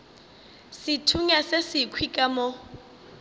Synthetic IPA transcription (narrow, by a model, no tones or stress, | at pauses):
sɪtʰuɲasesɪkʰwikʼamɔ